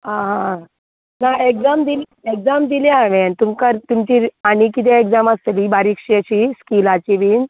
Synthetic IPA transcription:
aɦã | naekd͡zamd̪il | ekd͡zamd̪iljaʋɛnt̪umkəɾt̪umt͡ɕiːanikit̪̬ɛeɡd͡zaməst̪libaɾikʂeəɕiskilat͡ɕiʋin

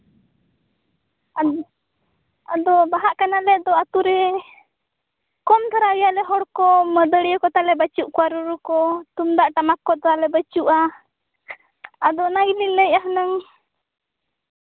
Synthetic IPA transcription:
ad̪ɔbaɦaʔkanalɛd̪ɔat̪uɾɛ | kɔmt̪ʰaɾawijalɛɦɔɽkɔməd̪əɽjɔkɔt̪alɛbət͡ʃuʔkwaɾuɾukɔt̪umd̪aʔʈamakːɔt̪ɔalɛbət͡ʃuʔa | ad̪ɔnaɡiliŋləjaɦənəŋ

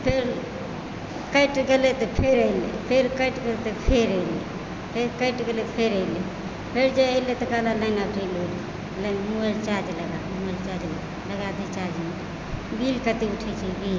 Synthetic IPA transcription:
pʰeɾ | kəɪʈɡelet̪opʰeɾəilḛpʰeɾkəɪʈɡelet̪opʰeɾəlḛ | pʰeɾkəɪʈɡelepʰeɾəilḛ | pʰeɾd͡ʒeəɪlet̪okalaləɪnabilole | ləmuelt͡ʃaːd͡ʒləɡamuelt͡ʃaːd͡ʒləɡa | ləɡad̪it͡ʃaːd͡ʒmuli | bilkət̪iʊʈʰit͡ʃʰibʱiːl

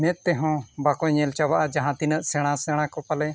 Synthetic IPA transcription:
mɛ̃t̪ːɛɦɔ̃bakɔɲɛlt͡ʃabaʔad͡ʒaɦãt̪inəʔsɛɽ̃asɛɽ̃ãkɔpalɛ

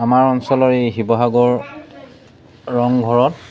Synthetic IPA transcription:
amaɹɔnsɔlɔɹeɦibɔɦaɡɔɹ | ɔŋɡʱɔɹɔt̚

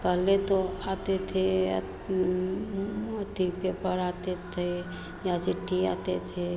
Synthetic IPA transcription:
pəɦlet̪oat̪et̪ʰe | ət̪ipepəɾat̪et̪ʰe | jat͡ʃɪʈʰːia̰ːt̪et̪ʰe

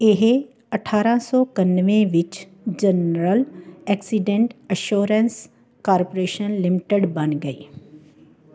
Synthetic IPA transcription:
ɪɦ | ɐʈʰaːɾãsɔːkɐnʋẽʋɪt͡ʃ | d͡ʒənɾəlɛːksiɖẽɳʈəʃoːɾəns | kaːɾpoɾeːʃənlɪmɪʈəɖbɐnɡɐiː

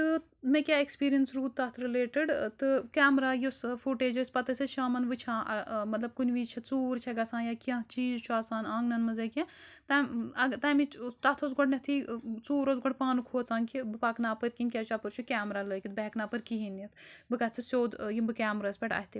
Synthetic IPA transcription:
t̪ɨ | mẽkʲaekspiːɾiɐnsɾuːt̪ːat̪ʰɾileːʈiɖt̪ɨkaːmɾaːjusfuʈeːd͡ʒɐsʲpɐt̪ɐseʃaːmɐnʋɨt͡ʃʰãːʔmɐt̪lɐb̚kunʲʋiːd͡ʒt͡ʃʰɐt͡suːɾt͡ʃʰɐɡɐsãːnjakiãt͡ʃiːzt͡ʃʰuaːsaːnaːŋɡnɐnmɐzɐkʲɐ̃t̪aɐɡt̪aːmit̪at̪ʰozɡoɖnʲɐt̪ʰit͡suːɾozɡoɖpaːnukʰoːt͡saːnkʰibɨpaːknaːpəɾʲkinʲkʲat͡ʃʰapɨɾt͡ʃʰukʲaːmɾaːləːkʲit̪̚bɐɦknaːpəɾʲkiɦinːɐt̪bɨkɐt͡sʰɨsʲoːd̪jibɨkʲaːmɾaːsʲpʲɐʈɐ̰ːɦit̪i

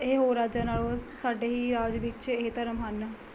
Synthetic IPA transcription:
eɦoːɾaːd͡ʒaːnaːoːsaːɖeːɦiːɾaːd͡ʒʋɪt͡ʃet̪əɾəmɦən

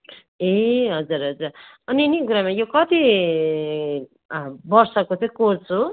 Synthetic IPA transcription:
eɦʌd͡zuɾɦʌd͡zur | ʌniniɡuɾamajokʌt̪i | bʌrsʌkot͡sʌĩkoɾt͡sʰu

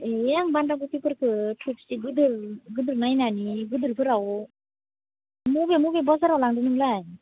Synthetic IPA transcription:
ejaŋbandaɡukipʰɯɾkʰɯtʰutsiɡɯdɯɾɡɯdɯɾnajnaniɡɯd̪ɯɾpʰɯɾaw | mubemubebɔzaɾawlaŋdɯnɯŋlaj

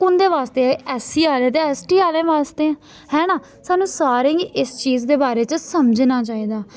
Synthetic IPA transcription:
kʊnd̪eːʋaːst̪eːɛːsiːaːleːt̪eɛːsʈiːaːlẽːʋaːst̪eːɛ̃ | hɛːnãː | saːnũːsaːɾẽːiːʔɪst͡ʃiːzd̪eːbaːɾeːt͡ʃəsəməd͡ʒnaːt͡ʃaːiːd̪aː

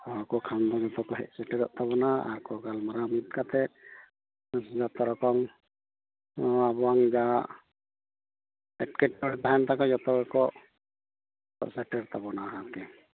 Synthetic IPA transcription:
ɔakɔkʰand̪ad͡ʒɔt̪ɔkɔɦɛ̰ʔsɛʈɛɾɔʔt̪ʰaβɔnaa̰ɾkɔɡalmɔɾamit̪̚kat̪ɛ | sd͡ʒat̪ɔɾɔkɔm | abɔwaŋid͡ʒa | ɛʈkɛʈ̚ːɔɽipaant̪akɔd͡ʒɔt̪ɔkakɔ | ɔ̰ʔsɛʈɛɾt̪ʰabɔnaakɛ

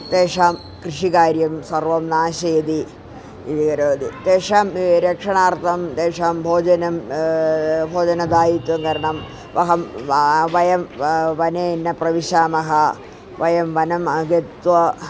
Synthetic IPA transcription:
t̪eːʂaːm | krɨʂikaːɾjɐmsɐrʋɐmnaːɕejd̪i | id̪ikɐɾoːd̪it̪eːʂaːmɾekʂɐɳaːrt̪ʰɐmt̪eːʂaːmbʱoːd͡ʑɐnɐm | bʱoːd͡ʑɐnɐd̪aːjit̪wɐŋkɐɾɐɳɐm | ʋɐɦɐmʋɐjɐmʋɐneːnːɐprɐʋiɕaːmɐɦɐ | ʋɐjɐmʋɐnɐmɐɡet̪ʋɐ

